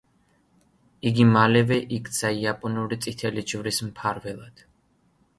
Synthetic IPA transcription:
iɡimalɛvɛʔikʰʼt̪sʰaiapʼɔnuɾit̪sʼit̪ʰɛlid͡ʒvɾismpʰaɾvɛlˠad̪̥

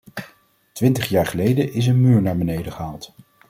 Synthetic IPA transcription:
tʋɪntəχjaːɹχəlejdəʔɪs̬ənmyːɹnaːɹbənejdəχəɦaːlˠt

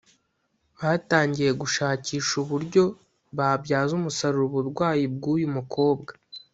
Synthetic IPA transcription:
βaːtaːɲɟije̞ɡuʃaːciːʃuβuɾɟo̞ | βaːbɟaːzumusaɾuɾuβuɾɡwaːjib̚ɡuːjumukʰo̞ːbɡa

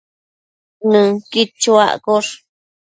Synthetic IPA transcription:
nɨ̃kit͡ʃua̰ʔkoʂ

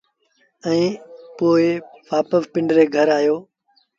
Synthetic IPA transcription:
ɛ̃ːpoːɪʋaːpəʋpɪ̃ɳɖɾeːɡʱəɾaːjoː

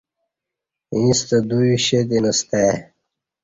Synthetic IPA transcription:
ĩst̪əd̪uiɕed̪enəst̪e

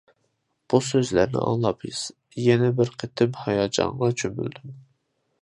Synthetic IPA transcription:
b̥usøzlæɾnɪ̰ʔɑ̰ŋlˠɑpʰiz̥ | jɛnɛbɪɾqʰet̪ʰɪmhɑjɑd͡ʒɑ̰ŋʁɑt͡ʃʰømy̰ld̪ym

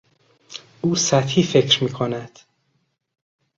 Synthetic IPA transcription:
ʔuːsæt̪hiːfe̞cʰɾmiːkʰonæd̪̥

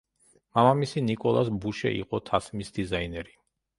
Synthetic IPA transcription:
mamamisinikʼɔlˠasbuʃɛ̰ʔḭqʼɔt̪ʰasmisd̪izainɛɾi

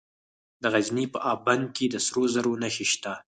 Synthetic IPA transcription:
d̪əɣaznipəʔɑband̪̚ked̪əsɾozaɾonaxeʃt̪a

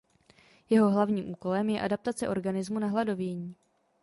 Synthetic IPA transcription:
jɛɦo̞ɦlavɲiːmʔuːko̞lɛmjɛʔadap̚t̪at͡sɛʔo̞ɾɡanɪzmunaɦlado̞vjɛɲiː

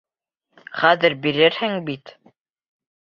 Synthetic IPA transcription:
χæðɘ̆ɾbiɾɘɾhɘŋbit̪

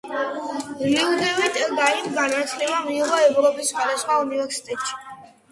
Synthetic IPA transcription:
liud̪ɛvit̪ʼɛld̪aimɡanat̪sʰlɛbamiːʁɔɛvɾɔpʼisχwad̪asχwaunivɛɾsi̥t̪ʼɛt̪ʃi̥

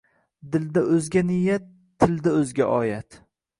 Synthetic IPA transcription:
d̪ɪld̪aʔɵzɡʲanɪjat̪ʰːɪld̪aɵzɡʲaʔɒːjat̪

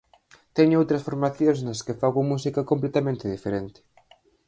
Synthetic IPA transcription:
t̪ɛɲʊowt̪ɾɐsfoɾmaθjosnɐskefaɣomus̬ikakomp̬let̪amẽnt̪ɪðifeɾent̪ɪ̥

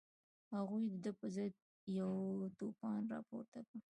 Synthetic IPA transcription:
haɣujd̪əd̪əpəzəd̪̚ | jawt̪opɑnɾɑ̰po̰ɾt̪akə

